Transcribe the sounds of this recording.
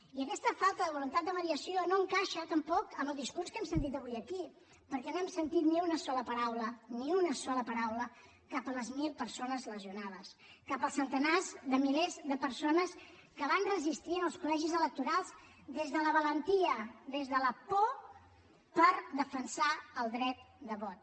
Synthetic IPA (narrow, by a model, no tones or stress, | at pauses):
iəkɛst̪əfalˠt̪əðəβulunt̪at̪̚d̪əβəɾiəsionoəŋkaʃət̪əmpɔkəməlˠd̪iskuɾskɛmsənt̪̬it̪əβuiəki | pəɾkɛnoɛmsənt̪it̪niunəsɔləpəɾawləniunəsɔləpəɾawlə | kapələzmilˠpəɾsonəzləziunað̞əs | kapəlˠsːənt̪ənazðəmilezðəpəɾsonəs | kəβanrəzist̪iənəlˠskulɛʒizələk̚t̪uɾalˠz | d̪ezðələβ̞ələnt̪iəðezðələpɔ | pəɾðəfənsaəlˠd̪ɾɛt̪̚d̪əβɔt̪̚